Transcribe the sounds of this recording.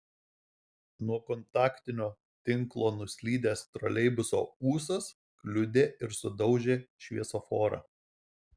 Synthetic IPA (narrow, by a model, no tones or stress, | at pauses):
nuɔkɔnt̪ɑːkt̪ʲɪnʲoː | t̪ʲɪŋˑklˠoːnʊsʲlʲiːd̪ʲeːst̪ɾɔlʲɛɪbʊso̰ːuːsɐs | klʲʊd̪ʲeːʔɪɾsʊd̪ɒʊʒʲeːʃʲʋʲiɛsofoːɾɑ̰